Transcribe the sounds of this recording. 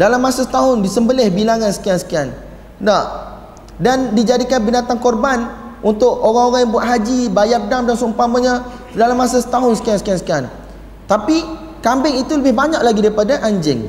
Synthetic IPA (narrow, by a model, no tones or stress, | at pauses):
dalamːasasə̥t̪aɦʊndisəmbəlɪhbilaŋansə̥kiaŋsə̥kian | da | dandid͡ʒadikanbinat̪ankɔrbanʔunt̪ʊk̚oɾaŋoɾaŋjambuat̪ɦad͡ʒibajap̚damdansumpaməɲa | dalamːasasə̥t̪aɦʊnsə̥kiansə̥kiansə̥kian | t̪api | kambɪŋit̪uləbɪhbaɲaʔ̚laɡidaɾipadaʔaɲd͡ʒɪŋ